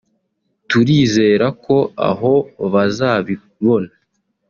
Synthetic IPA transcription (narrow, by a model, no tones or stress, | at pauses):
tuɾiːze̞ːɾako̞a̰ɦo̞βazaːβi | βo̞na